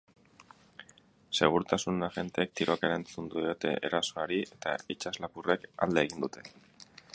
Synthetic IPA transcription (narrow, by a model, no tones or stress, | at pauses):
se̞ɣ̞uɾut̪asunaʝe̞nt̪eːk̚t̪iɾo̞ke̞ɾant͡sund̪uot̪e̞̰ʔḛɾaso̞aɾie̞t̪a̰it͡ʃazlapure̞ka̰ld̪eːɣ̞ind̪ut̪ʰe̞̥